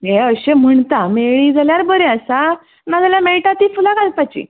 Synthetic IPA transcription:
ɦeəɕem̤əɳt̪ameɭid͡zaljaɾbəɾeəsa | nad͡zaljameɭʈat̪iːfulaɡalpat͡ɕḭː

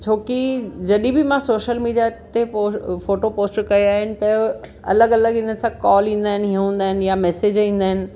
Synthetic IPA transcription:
t͡ɕʰoːkid͡ʑɐɗibɪmãsoːʃəlmiːɖijat̪eofoːʈopoːsʈkɐoaːɦɪnɪ̆t̪ɐ | ɐ̰ləɡɐləɡɪnəsãkɔːlĩːn̆d̪aːɪnɪ̆ɦiə̃ũːn̆d̪aːɦɪnɪ̆jamɛːseːd͡ʑĩːn̆d̪aːɦɪnɪ̆

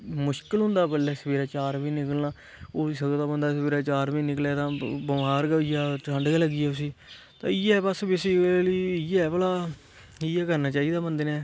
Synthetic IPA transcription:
mʊʃkəlɦʊ̃nd̪aːbəlːɛːsəbeːɾaːt͡ʃaːɾʋiːnɪkəlnaː | oːiːsəɡt̪aːbənd̪aːsəbeːɾaːt͡ʃaːɾʋiːnɪklɛːt̪ãːbəmɦaːɾɡɪjaːʈʰə̃ɳɖɡɛːləɡiːɛːʊs̬iː | t̪ã̰ːɪjɛːbəsbɪsiliːɪɛːpəlaː | iːɛːkəɾnaːt͡ʃaːiːd̪aːbənd̪eːnɛː

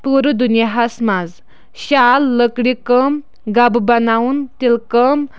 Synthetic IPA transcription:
puɾud̪unjaɦasmad͡z | ɕalːəkɽikəm | ɡabbənaunt̪ilkəm

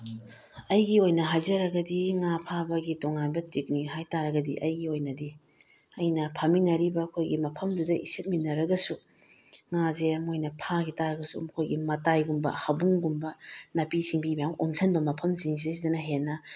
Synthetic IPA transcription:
ɐjɡiojnɐɦajzɐɾɐɡɐdiŋapʰabɐɡitoŋanbɐtik̚niɦajtaɾɐɡɐdḭʔɐjɡiojnɐdi | ɐjnɐpʰaminɐɾibɐkʰojɡimɐpʰɐmdudɐʔisit̚minɐɾɐɡɐsu | ŋazemojnɐpʰaɡitaɾɐɡɐsṵmɐkʰojɡimɐtajɡumbɐ̰hɐbuŋɡumbɐnɐpisiŋbimijaŋʔonsʰɐnbɐmɐpʰɐmziŋs̬esidɐnɐɦenːɐ

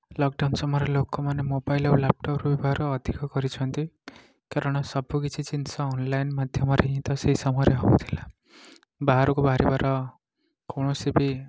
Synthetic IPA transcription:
lɔkɖawnsɔmɔɾelokɔmanemobajleulap̚ʈɔpɾubibaɦaɾɔːd̪ʱikɔkɔɾit͡ʃʰɔnt̪i | kaɾɔɽ̃ɔsɔbʱukit͡ʃʰit͡ʃinsɔːnlajnmad̪ʱjɔmɔɾeɦĩt̪ɔseɦisɔmɔjɔɾeɦobut̪ʰila | baɦaɾɔkubaaɾibaɾʔɔ | koɽ̃ɔsibi

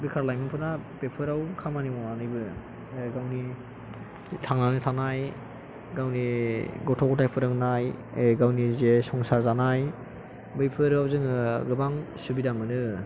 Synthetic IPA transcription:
bikʰaɾlajmɯpʰɯnab̥epʰɯɾawkʰamanimɔnanɯjbɯ | ɡawni | tʰaŋnanɯtʰanaj | ɡawniɡɔtʰɔkɔtʰajpʰɯɾɯŋnajeɡawnizesɔŋsaɾzanaj | bejpʰɯɾawzɯŋɯɡɯbaŋsubidamɯnɯ

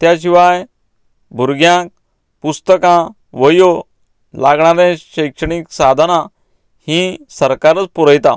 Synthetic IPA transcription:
t̪jaɕiʋaj | bʱuɾɡjãk̚ | pust̪əkã | ʋəjo | laɡɳaɾẽɕəjkʂəɳiksad̪ʱənã | hĩsəɾkaɾət͡spuɾəjt̪a

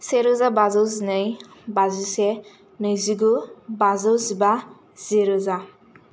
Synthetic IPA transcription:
seɾozabazɔwzinɯjbazise | nɯjziɡubazɔwziba | z̥iɾoza

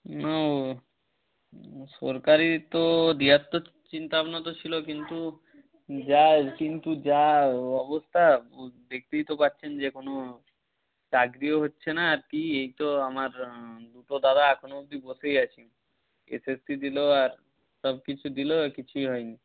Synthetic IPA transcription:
no | ʃɔɾkaɾit̪od̪iɦat̪ːo | t͡ɕint̪apnot̪ot͡ɕʰilokint̪u | d͡ʑakint̪ud͡ʑaɔbost̪ʰabek̚ʰt̪iit̪opaɾɕʰend͡ʑekono | t͡ɕaɡɾioɦotːɕʰenaːɾkiejt̪oamaɾd̪uʈod̪ad̪aɛkʰonod̪iboʃejat͡ɕʰin | ḛsesʈid̪iloaɾ | ʃɔb̚kit͡ɕʰud̪ilokit͡ɕʰujɦɔeni

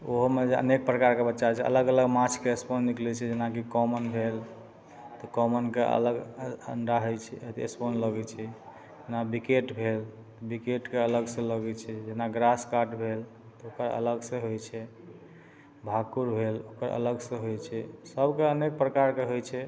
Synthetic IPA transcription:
oɦomed͡ʒeə̰nek̚pɾəkaɾkebət̪ːʃat͡ʃʰɛə̰ləɡələɡmat͡ʃʰkeesponːiklɛt͡ʃʰɛd͡ʒenakikɔmənbʱel | t̪ɔkɔmənkeʔə̰ləɡə̰ɳɖaɦojt͡ʃʰɛ̰t̪ḛsponləɡɛt͡ʃʰɛ | d͡ʒenabikeʈbʱel | t̪ɔbikeʈkeələɡsə̃ləɡɛt͡ʃʰɛd͡ʒenaɡɾaskaʈbʱel | t̪ɔokəɾə̰ləɡsə̃ɦojt͡ʃʰɛ | bʱakuɾbʱelokəɾə̰ləɡsə̃ɦojt͡ʃʰɛsəbʱkeənek̚pɾəkaɾkeɦojt͡ʃʰɛ

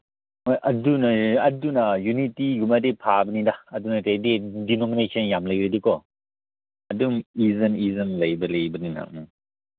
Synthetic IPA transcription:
ɐdunɐɐdunɐjunitiɡumadepʰabɐnidaɐdunɐtededinɔmnejsʰenjamlɐjbɐjdikɔ | ɐdumizɐnizɐnlɐjbɐlɐjbɐnina̰k̚na

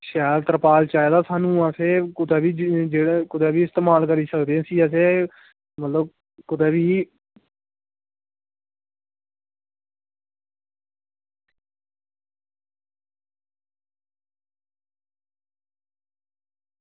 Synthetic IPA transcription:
ʃɛːlt̪əɾpaːlt͡ʃaːed̪aːsaːnũːaːseːkʊd̪aːbiːd͡ʒeːɽkʊd̪eːbiːɪst̪eːmaːlkəɾiːsəkd̪eãːsiːəseː | mət̪ləb̚ | kʊd̪eːbiː

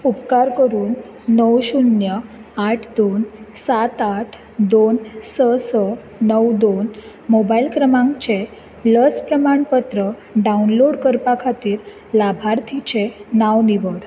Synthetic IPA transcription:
upkaɾkəɾuːnː | əwɕunjəaʈʰd̪onsat̪aʈʰ | d̪onsəsə | nəwd̪on | mobailkɾəmãŋkt͡ɕe | ləspɾəmaɳpət̪ɾə | ɖaunloɽkəɾpakʰat̪iːɾ | labʱaɾt̪ʰit͡ɕenaʋniʋəɽ

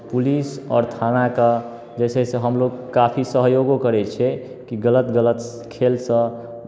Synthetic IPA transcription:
pulisɔ̰ːɾt̪ʰanaka | d͡ʒɛsɛseɦəmloɡkapʰisəɦjoɡokəɾɛt͡ʃʰɛ | kiɡələt̪ɡələt̪ | kʰelsə̃

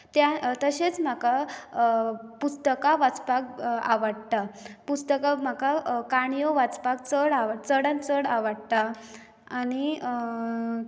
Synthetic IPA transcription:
t̪jat̪əɕet͡sm̤aka | pust̪əkaʋat͡spaka̰ʋəɽt̪apust̪əkam̤akakaɳjoʋat͡spak̚t͡səɽaʋat͡səɽãnt͡səɽaʋəɽt̪a | aɽ̃i

